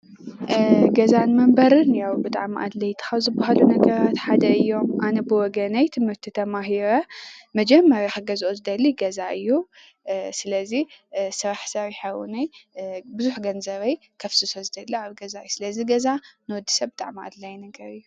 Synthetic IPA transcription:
ɡɐzanmɐmbɐɾɨnjawbɨt̪ʼa̰ʕmiʔad̪lɐjt̪ʰɨ̥xɐwzɨbːahalunɐɡɐɾat̪ħad̪ɐɨjːo̞mʔanɐbɨwɔɡɐnɐjt̪ʰɨmɨɾt̪ʰit̪ʰɐmaɦiɾɐmɐd͡ʒɛmːɐɾjaxaɡɐzʔozɨd̪ɐlːiɡɐzaʔɨjːu | sɨlɐzisɐɾaħsawiħawṵnɐjbɨzuħɡɐnzɐβɐj | kʰɐfsɨsozɨd̪ɐlːiaβɡɐzajsɨlɐziɡɐzanɨwɔd̪ːi̥sɐbɨt̪ʼa̰ʕmiʔa̰d̪lajnɐɡɐɾɨjːu

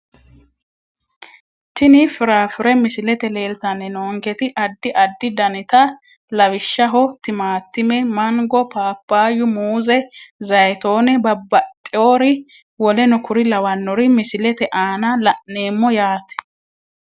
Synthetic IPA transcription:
t̪ɪnɪfɪɾaːfɪɾɛmɪsɪlɛt̪ɛleːlt̪ɐnːɛnoːŋɡɛt̪ɪʔɐd̪ːɪʔɐd̪ːɪd̪ɐnɪt̪ɐ | lɐwɪʃːɐɦɔt̪ɪmaːt̪ːɪmɛmɐŋɡɔpaːpːaːjʊmuːzɛzɐjt̪o̞ːnɛbɐbːɐt̪ʼːɪoːɾɪ | wɔlɛnɔkʊɾɪlɐwɐnːɔɾɪmɪsɪlɛt̪ɛʔaːnɐlɐʔne̞ːmːɔjaːt̪ɛ̥

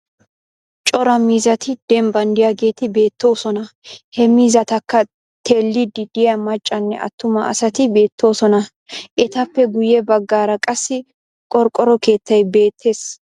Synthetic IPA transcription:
t͡ʃʼɔɾɐmiːzɐt̪ɪd̪̥ɛmbɐnd̪ɪjɐɡe̞ːt̪ɪbe̞ːt̪ːo̞ːsɔnɐhɛmiːzɐt̪ɐkːɐ | t̪ʰeːlːɪd̪ɪd̪̥ɪjɐmɐt͡ʃʼːɐnːɛ̰ɐ̰t̪ːʊmɐɐ̰sɐt̪ɪbe̞ːt̪ːo̞ːsɔnɐ | ʔɛt̪ɐpːɛɡʊjɛbɐɡːaːɾɐkʼɐsːɪ | kʼɔɾkʼɔɾɔke̞ːt̪ːɐjbe̞ːt̪ʰːe̞ːs

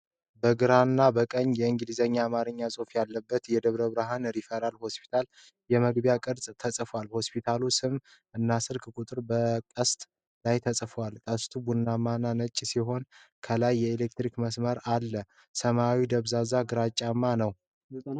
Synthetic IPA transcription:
bəɡɨɾanːabəkʼəɲːjɛɨŋɡɨlizəɲːaːmaɾɨɲːasʼofjalːəbːət̪jɛd̪əβɾəβɾaɦanɾifeɾalho̞spʰi̥t̪ʰal | jɛməɡbjakʼɨɾzʼt̪ʰəsʼfwalho̞spʰit̪ʰalusɨm | ɨnːasɨɾkʼkʼut̪ʼɨɾbəkʼəst̪ʼ | lajt̪ʰəsʼfwalkʼəst̪ʰubunːamːanːanət͡ʃʼːsiɦo̞nkʰəlajːɛelek̚t̪ɾikməsməɾalːə | səmawid̪əβzazaɡɨɾat͡ʃʼːamːanəw

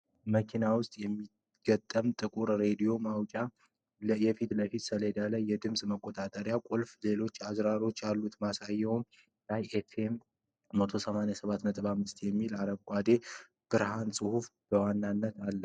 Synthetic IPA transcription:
məkʰinawʊst̪ʼjɛmːi | ɡ̥ət̪ʼːəmt̪ʼɨkʼuɾɾe̞d̪ijo̞mawt͡ʃʼa | jɛfit̪ləfit̪sələd̪alajːɛd̪ɨmsʼməkʼːo̞t̪ʼat̪ʼəɾjakʼulfle̞lo̞t͡ʃːazɾaɾo̞t͡ʃːalːut̪masajɛwum | lajefʰemː | ət̪ʰo̞səmanjasəβat̪mət̪ʼβamɨst̪ʰjɛmːilaɾəβkʷʼad̪e̞ | b̥ɨɾhansʼɨhufb̥əwanːanːət̪alːə

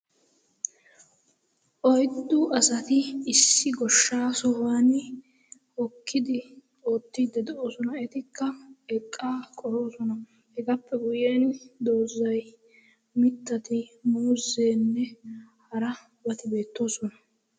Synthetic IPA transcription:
ʔɔjd̪ːʊʔɐsɐt̪ɪɪsːɪɡɔʃːaːsɔhaːn | hɔkːɪd̪ɪ | o̞ːt̪ːiːd̪ːɛd̪ɛʔoːsɔnɐɛt̪ɪkːɐɛkʼːaːkʼɔɾo̞ːsɔnɐ | hɛɡɐpːɛɡʊjeːnd̪o̞ːzːɐj | mɪt̪ːɐt̪ɪmuːze̞ːnːɛhɐɾɐ | bɐt̪ɪbe̞ːt̪ːo̞ːsɔnɐ

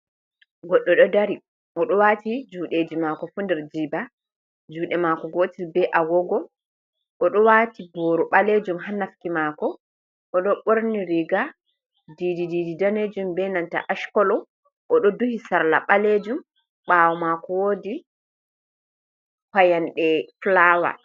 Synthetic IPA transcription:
ɡɔɗːɔɗɔdaɾi | ʔɔɗɔwatid͡ʒuːɗed͡ʒimakɔfundɛɾd͡ʒiːba | d͡ʒuːɗɛmakɔɡotilbɛʔaɡɔɡɔ | ʔɔɗɔwatibɔːɾuɓaled͡ʒumɦanːafkimakɔ | ʔɔɗɔɓoɾniɾiɡa | dididididaned͡ʒumbɛnanta̰ʔaʃkɔlɔ | ʔɔɗɔduhisaɾla̰ɓaled͡ʒum | ɓawɔmakɔwoːdi | kajanɗɛflaːwa̰

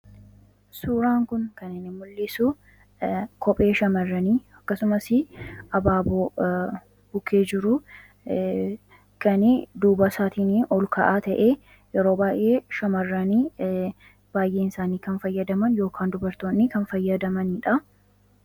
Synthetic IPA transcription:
suːɾaːŋkʊnkɐnɪnːɪmʊlːɪsʊ | kɔpʼe̞ːʃɐmɐrːɐniːɐkːɐsʊmɐsɪʔɐbaːboː | bʊkʰe̞ːd͡ʒɪɾʊ | kɐnɪd̪uːbɐsaːt̪iːniːʔɔlkɐʔaːt̪ɐʔeː | jɛɾo̞ːbaːjʔeːʃɐmɐrːɐniː | b̥aːjʔe̞ːɪnsaːniːkɐnfɐjːɐd̪ɐmɐnjo̞ːkʰaːnd̪ʊbɐɾt̪oːnːɪkɐnfɐjːɐd̪ɐmɐniᶑɐ

